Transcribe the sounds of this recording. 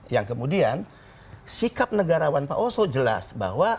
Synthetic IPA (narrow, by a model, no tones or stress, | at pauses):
jaŋkəmudian | sikap̚nəɡaɾawanpa̰ʔosod͡ʒəla̰sba̰ɦwa